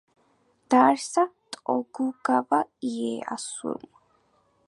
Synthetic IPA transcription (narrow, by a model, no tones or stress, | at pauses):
d̪̥aːɾsat̪ʼɔɡuɡavaiɛa̰sṵɾm